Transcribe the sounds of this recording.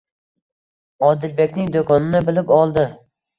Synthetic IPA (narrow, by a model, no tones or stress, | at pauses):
ɒd̪ɪlbekʲnɪŋd̪okʰɒnɪnɪbɪlɪpɒlˠd̪ɪ